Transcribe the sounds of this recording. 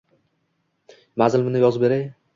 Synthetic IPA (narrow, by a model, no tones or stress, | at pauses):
mazɪlmɪnɪjɒzbeɾaj